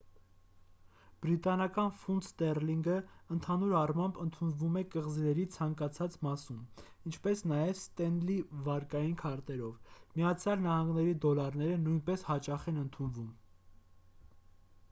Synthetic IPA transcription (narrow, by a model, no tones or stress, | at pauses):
b̥ɾit̪ɑnɑkɑnfund̪st̪ɛrliŋɡəənt̪ʰɑnuɾɑrmɑmbənt̪ʰunvumɛkəʁzinɛɾit͡sʰɑŋkɑt͡sʰɑt͡smɑsum | int͡ʃʰpɛsnɑjɛvst̪ɛnlivɑɾkɑjinkʰɑɾt̪ɛɾɔvmijɑt͡sʰjɑlnɑhɑŋɡnɛɾid̪ɔlɑɾnɛɾənujnpɛshɑt͡ʃɑχɛnənt̪ʰunvum